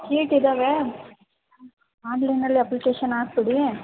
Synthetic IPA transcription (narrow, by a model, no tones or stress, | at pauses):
kiːʈɪðɐʋe | aːɳɖlɐnɐliɐplɪkeːʃɐnaːspɐɽi